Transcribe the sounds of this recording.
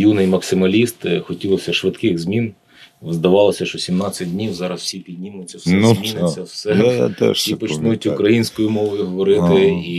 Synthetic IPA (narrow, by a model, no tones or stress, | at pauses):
junɪjmɐksɪmɐlʲist̪xɔtʲilˠɔsʲɐʃʋɪd̪kɪɣzmʲin | ʋzd̪ɐʋɑlˠɔsʲɐʃɔsʲimnɑt͡sʲɐd̚ʲdʲnʲiwzɑɾɐsw̥sʲipʲidʲnʲimʊt͡sʲːɐwsɛnʲmʲinɪt͡sʲːɐwsɛa̰t̪ɛ̰ʃsipɔt͡ʃnujʊtʲʊkɾɐjinʲsʲkɔjʊmɔʋɔjʊɦɔʋɔɾɪt̪ɪi